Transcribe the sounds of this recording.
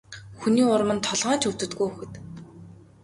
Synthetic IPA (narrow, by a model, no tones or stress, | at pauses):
xuniːʊrmə̆nt̪ʰɔɮʁaːnt͡ɕʰɵw̥̚t̪ɵ̆t̪ɡujuxɘ̆t̪